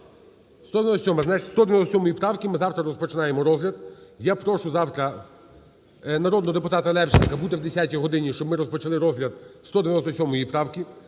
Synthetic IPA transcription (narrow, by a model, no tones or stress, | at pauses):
st̪ɔd̪ʋʲj̪nɔst̪ɔsʲɔmɐznat͡ʃst̪ɔd̪eʋʲɐnɔst̪sʲɔmɔjipɾɑwkʲimɪzɑwt̪ɾɐɾɔspɔt͡ʃɪnɑjemɔɾɔzɦlʲɐd̪̚japɾɔʃʊzɑwt̪ɾɐ | nɐɾɔd̪nɔɦɔd̪epʊt̪ɑt̪ɐlˠɛpt͡ʃinkɐbud̪ɛwd̪esʲatʲijɦɔd̪ɪnʲiʃt͡ʃɔbmɪɾɔspɔt͡ʃɐlˠɪɾɔzɦlʲɐd̪̚st̪ɔd̪eʋʲjnɔst̪ɔsʲɔmɔjipɾɑwkʲi